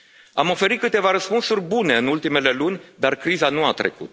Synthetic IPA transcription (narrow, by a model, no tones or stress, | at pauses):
amo̞fe̞ɾit̪kɨt̪e̞vaɾəspunsurʲbune̞ɨnult̪ime̞le̞lunʲd̪arkɾizanuat̪ɾe̞̰kṵt̪̚